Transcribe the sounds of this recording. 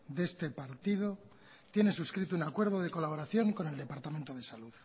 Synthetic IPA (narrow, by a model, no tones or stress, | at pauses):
d̪e̞st̪e̞paɾt̪ið̞o | t̪je̞ne̞suskɾit̪ounakwe̞ɾð̞oðe̞ko̞laβ̞o̞ɾaθjo̞ŋko̞ne̞ld̪e̞paɾt̪ament̪oðe̞saluð